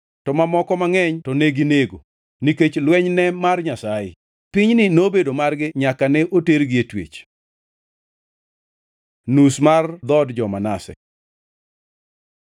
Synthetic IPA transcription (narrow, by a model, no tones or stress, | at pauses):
tɔmamɔkɔmaŋɛɲtɔneɡineɡo̰ | niket͡ʃlwɛɲnɛmarɲasajɪ̰ | pɪɲnɪnobedomarɡɪɲakanɛʔoteɾɡɪetwḛt͡ʃ | nusmard̪ɔdd͡ʒɔmanasɛ̰